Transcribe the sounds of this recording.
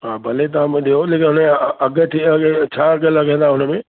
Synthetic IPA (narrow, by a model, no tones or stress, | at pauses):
ɦaːbʱɐlet̪̬ɐãmẽɗijoleːkɪnɦʊnɐɡət̪ʰiɡt͡ɕʰaːɐɡəlɐɡʱẽːnd̪aːɦʊnəmẽː